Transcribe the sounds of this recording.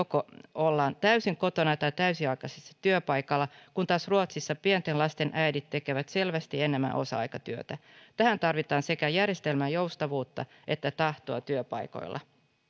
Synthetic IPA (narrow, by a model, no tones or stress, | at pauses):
okoolːɑːnt̪æysiŋko̞t̪onɑt̪ɑjt̪æysiɑikɑsesːɑ̥t̪yøpɑjkɑlːɑkunt̪ɑːsruot̪sisːɑpient̪enlɑst̪e̞nʔæjdit̪ːe̞ke̞ʋæt̪se̞lʋæst̪ienemːæ̰ʔo̞̰sɑ̰ɑ̰jkɑt̪yøt̪æt̪æhænt̪ɑrʋit̪ɑːnse̞kæjærjest̪e̞lmæjo̞ust̪ɑʋuːt̪ːɑ̰ | e̞t̪ːæt̪ɑht̪oɑt̪yøpɑ̰jko̰ilːʔɑ̰